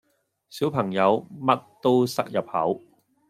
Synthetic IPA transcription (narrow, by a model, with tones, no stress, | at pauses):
siː˨˥wpʰɐ˨˩ŋjɐ˨˧wmɐ˥t̚t̪o˥wsɐ˥k̚jɐ˨p̚hɐ̰˨˥w